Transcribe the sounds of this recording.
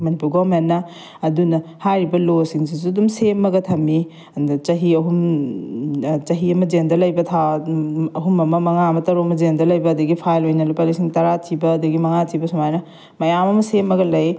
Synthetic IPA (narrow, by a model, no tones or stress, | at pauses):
mɐnipuɾɡoɾmenːɐ | ɐdunɐhajɾibɐlosiŋsis̬uɐdumsemːɐɡɐtʰɐmi | ɐndɐt͡ʃɐɦiɐɦum | t͡ʃɐɦiɐmɐd͡ʒendɐlɐjbɐtʰa | ɐɦumɐmɐmɐŋamɐtɐɾomɐd͡ʒendɐlɐjbɐːdɐɡipʰajlojnɐlupalisiŋtɐɾatʰibɐːdɐɡimɐŋatʰibɐsumajnɐ | mɐjamɐmɐsemɐɡɐlɐj